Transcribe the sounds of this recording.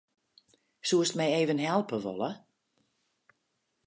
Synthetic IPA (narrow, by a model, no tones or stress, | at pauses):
suəstmɛjeːvənɦɛlˠpəʋɔ̰lə